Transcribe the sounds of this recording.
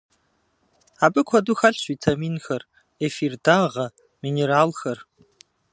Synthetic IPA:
aːbɨkʷʰɐduxɐɬɕʷiːtʰɐmiːnxɐr | efirdaːʁɐ | mineɾaːlxɐr

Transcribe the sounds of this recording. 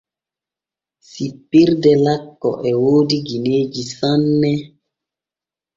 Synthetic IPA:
sipːiɾdɛlakːɔ̰ʔɛwoːdiɡineːd͡ʒisanːɛ

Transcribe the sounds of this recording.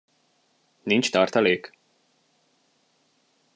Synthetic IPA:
nint͡ʃt̪ɒːrt̪ɒleːk

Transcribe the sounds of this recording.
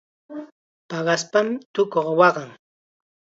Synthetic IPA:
pɑɢɑspamɪt̪ʊkoχwɑɢɑŋ

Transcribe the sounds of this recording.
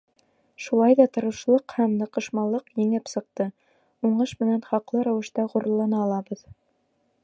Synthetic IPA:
ʃulˠɑjðɑt̪ɤ̆ɾɤ̆ʃlˠɤqhæmnɤ̆qɤ̆ʃmɑlˠːɤqjɘ̆ŋɘpsɤ̆q̚t̪ɤ | uɴɤʃmɘ̆nænχɑqlˠɤɾæwɘ̆ʃt̪ɑʁuɾɤ̆lˠːɑnɑːlˠɑbɤð

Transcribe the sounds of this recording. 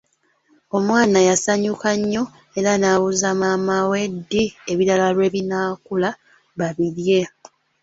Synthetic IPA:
o̞mwaːnajasaɲukaɲːo̞ | e̞ɾanaːβuzamamawe̞dːieβiɾalalwe̞βinaːkula | βaβiɾje̞

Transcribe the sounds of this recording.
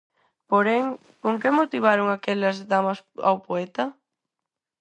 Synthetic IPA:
poɾɛŋ | koŋkemot̪iβ̞aɾoŋakɛlɐzðamɐsa̰wpoɛt̪ɐ

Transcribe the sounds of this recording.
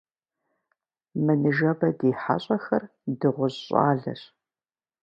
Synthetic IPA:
mɨnɨʒɐbɐdeːħa̰ɕʼɐxɐr | dɨʁʷʊʑɕʼa̰ːɮɐ̰ɕ

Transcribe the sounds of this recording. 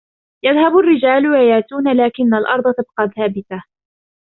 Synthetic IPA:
jaðhabʊrːɪd͡ʒaːlwajaːt̪uːnalaːkɪnːalʔɑɾˤd̪ˤɑt̪ab̚qɑːlθaːbɪθa

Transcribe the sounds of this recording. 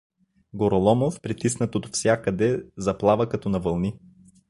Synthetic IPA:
ɡoɾolˠɔmofpɾit̪isnɐt̪ot̪fsʲjakəd̪ɛzɐplˠavəkɐt̪ɔnɐvɐlˠni

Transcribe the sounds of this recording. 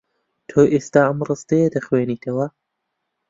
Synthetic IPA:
t̪ʰoːʔeːst̪aːʔɐmrɨst̪ɐjed̪ɐxweːniːt̪ʰɐwɐ

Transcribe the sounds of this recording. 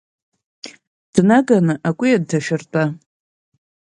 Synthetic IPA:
d̥naɡanɨʔakʷʼijad̚ːaʃᶣɪrtʼa

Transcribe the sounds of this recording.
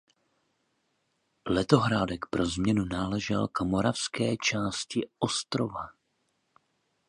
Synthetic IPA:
lɛt̪o̞ɦɾaːdɛkpɾo̞zmɲɛnunaːlɛʒɛ̰lkamoɾafskɛːt͡ʃaːscɪʔo̞st̪ɾo̞va

